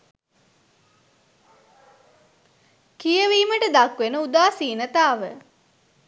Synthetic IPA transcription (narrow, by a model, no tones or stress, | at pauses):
kijəʋiːməʈəd̪akʋenəud̪aːsiːnət̪aːʋə̰